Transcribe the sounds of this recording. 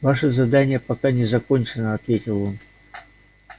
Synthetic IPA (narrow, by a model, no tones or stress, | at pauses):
vaʂɨzɐd̪anʲɪjəpɐkanʲɪzɐkonʲt͡ɕɪnəɐt̪vʲetʲɪlˠon